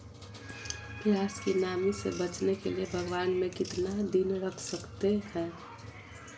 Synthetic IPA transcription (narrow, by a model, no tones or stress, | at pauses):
pjaːskinaːmisḛbɐt͡ʃnekḛliebʱəɡwaːnmẽkɪt̪nad̪ɪnɾəkʰsəkt̪ehɛ̃ː